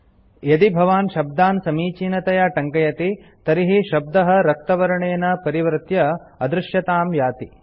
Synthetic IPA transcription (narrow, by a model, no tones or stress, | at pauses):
jɐd̪ibʱɐʋaːnʃɐb̚d̪aːnsɐmiːt͡ʃiːnɐt̪ɐjaːʈɐŋkɐjɐt̪i | t̪ɐɾiɦiʃɐb̚d̪ɐɦɐ̆ɾɐk̚t̪ɐʋɐɾɐɳeːnɐpɐɾiʋɾt̪jɐɐd̪ɾɪʃjɐt̪aːmjaːt̪i